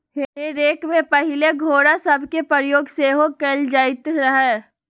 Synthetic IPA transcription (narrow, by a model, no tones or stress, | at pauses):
ɦeeɾeːkmẽpɐɦɪleɡʱoːɽasɐbʱkepəɾjoːɡseːɦoɡ̚keːld͡ʒaːɪt̪ɾɐɦɛ